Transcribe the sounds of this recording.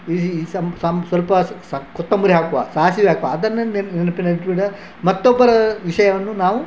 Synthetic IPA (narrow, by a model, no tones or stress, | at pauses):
isɐmsɐmsʋɐlpɐssɐkɔt̪ːɐmbuɾiɦaːkuʋa̰ːsaːɦɐsiʋiɦaːkuʋaɐd̪ɐnːɐnnɛnɐpːinɐɽiʈ̪biɽɐ | mɐt̪ːɔbːɐɾɐʋiʂɐjɐʋɐnːunaːʋu